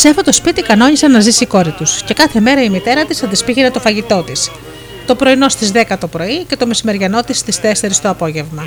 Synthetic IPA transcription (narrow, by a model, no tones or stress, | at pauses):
sefot̪o̞spit̪ikɐno̞ɲisɐnɐzisiko̞ɾit̪usce̞kɐθe̞me̞ɾɐimit̪e̞ɾɐt̪isɐd̪ispiʝenet̪ofɐʝit̪o̞t̪is | t̪o̞pɾo̞ino̞st̪izðe̞kɐt̪o̞pɾo̞ice̞t̪o̞misime̞ɾʝɐno̞t̪ist̪ist̪e̞seɾist̪oɐpo̞ʝe̞vmɐ